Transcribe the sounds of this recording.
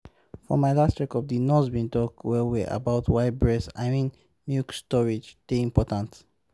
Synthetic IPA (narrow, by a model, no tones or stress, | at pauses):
fɔ̰maɪlastɹɛkɔvdinɔsbĩntɔk̚twɛwɛʔa̰baʊtʰwaɪd̚bɹɛsa̰ɪmĩn | mjukstɔɹid͡ʒd̥eĩmpɔtãnt